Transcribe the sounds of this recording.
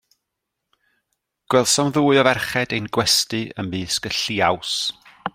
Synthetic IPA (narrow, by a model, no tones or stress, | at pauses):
ɡ̥wɛlˠsɔwmðuːɨɔvɛrχɛdejnɡwɛstɨə̰mbɨːskəɬiaws